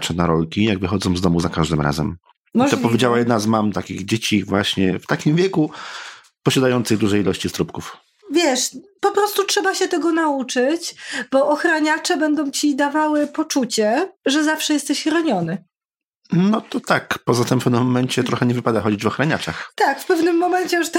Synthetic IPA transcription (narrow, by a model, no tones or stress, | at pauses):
t͡ʂɛnaɾɔlkʲijaɡvɘxɔd̪zɔ̃w̃zd̪ɔmuzakaʐd̪ɘmɾa̰zɛ̰m | mit̪ɔpɔvʲed͡ʑawajɛd̪nazmamt̪akʲḭɣd͡ʑet͡ɕivwaɕɲɛft̪akʲimvʲjɛku | pɔɕad̪ajɔnt̪sɘɣd̪uʐɛjilɔɕt͡ɕist̪ɾupkuf | vʲjɛʂpɔpɾɔst̪utʂɛbaɕɛt̪ɛɡɔnaut͡ʂɘt͡ɕbɔʔɔxɾaɲat͡ʂɛbɛnd̪ɔ̃w̃t͡ɕid̪avawɘpɔt͡ʂut͡ɕɛʐɛzafʂɛjɛst̪ɛɕɾɔɲɔnɘ | nɔt̪ɔt̪akpɔzat̪ɛmfpɛnɛmːɔmɛnt͡ɕɛt̪ɾɔxɛɲɛvɘpad̪axɔd͡ʑid͡ʑvɔxɾaɲat͡ʂaxt̪akfpɛvnɘmːɔmɛɲt͡ɕɛʂt̪